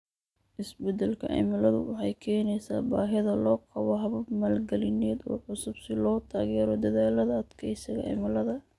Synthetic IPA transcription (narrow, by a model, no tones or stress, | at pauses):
ʔɪsbɛd̪ɛlkʰɐʔɛ̰mɐlɐðʊ̰wɑħɑjkʰɛːnɛjsa̰ːbaːɦɪðɐlɔːqɑβɔɦɐβɐbmaːlɡɛlɪnɛːd̪ɔ̰ːʕʊsʊbsɪlɔːt̪ʰaːɣɛːɾɔd̪ɐðaːlɐðɐd̪kʰɛjsɪɣɐʔɛ̰mɐlɐðɐ